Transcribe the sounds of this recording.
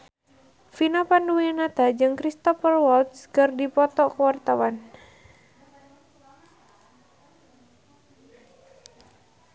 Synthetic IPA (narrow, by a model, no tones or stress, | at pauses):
finɔpanduenat̪ad͡ʒɨŋkɾist̪ɔfərwɔlt̪̚skɨrdipɔt̪ɔkəwart̪awan